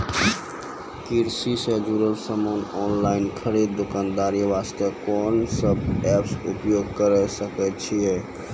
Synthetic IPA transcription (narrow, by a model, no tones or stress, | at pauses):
kiɾsisəd͡ʒuɾəlsəmonɔːnlaɪnkʰəɾid̪d̪okaːnd̪aːɾiʋast̪əkɔːnsəbɛpsupjoːɡkəɾɛsəkɛt͡ʃʰiɛ